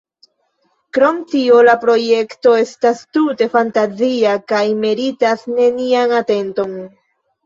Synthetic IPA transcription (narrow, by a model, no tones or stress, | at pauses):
kɾo̞mtio̞lapɾo̞je̞kto̞e̞stastute̞fantaziakajme̞ɾitasne̞nianate̞nto̞n